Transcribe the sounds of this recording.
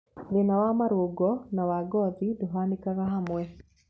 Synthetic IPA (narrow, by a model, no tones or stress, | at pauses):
ðenawamaɾuɡɔnawaɡɔðiduɦanikaɾaɦamwɛ